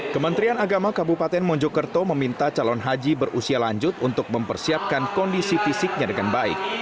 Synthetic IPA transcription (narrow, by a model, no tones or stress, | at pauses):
kəmənt̪ɾianaɡamakabupat̪ɛnmɔɲd͡ʒɔkərt̪oməmint̪at͡ʃalɔnɦad͡ʒibərʔusialaɲd͡ʒʊt̪unt̪ʊk̚məmpərsiap̚kankɔndisifisɪk̚ɲadəŋanbaɪ̰k̚